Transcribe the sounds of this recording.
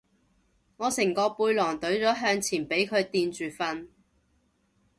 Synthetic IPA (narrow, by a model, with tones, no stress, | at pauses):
ŋɔː˨˧sɪ˨˩ŋkɔː˧puː˧jlɔː˨˩ŋt̪ɵ˨˥ɥt͡sɔː˨˥ɦœː˧ŋt͡sʰiː˨˩npe˨˥jkʰɵ˨˧ɥt̪iː˧nt͡ʃyː˨fɐ˧n